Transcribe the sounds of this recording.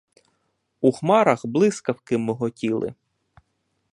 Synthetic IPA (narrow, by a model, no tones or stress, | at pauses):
uxmɑɾɐxblˠɪskɐwkɪmːɪɦɔtʲilˠɪ̰